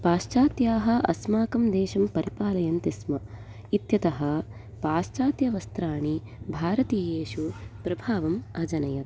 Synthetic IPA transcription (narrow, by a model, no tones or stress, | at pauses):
paːʃt͡ʃaːt̪jaːɦɐ̆ʔɐ̰smaːkɐmd̪eːʃɐmpɐɾipaːlɐjɐnt̪ismɐ | it̪jɐt̪ɐɦɐ̆ | paːʃt͡ʃaːt̪jɐʋɐst̪ɾaːɳi | bʱaːɾɐt̪ijeːʃupɾɐbʱaːʋɐmɐd͡ʒɐnɐjɐt̪